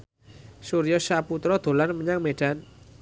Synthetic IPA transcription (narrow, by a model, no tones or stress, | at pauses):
suɾijɔʃaput̪ɾɔd̪̥o̤lanməɲaŋmeɖ̥an